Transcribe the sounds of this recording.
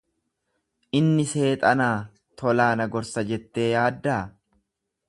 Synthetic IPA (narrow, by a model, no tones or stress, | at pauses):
ʔɪnːɪse̞ːt̪ʼɐnaː | t̪ʰɔlaːnɐɡɔɾsɐd͡ʒɛt̪ːe̞ːjaːd̪ːaː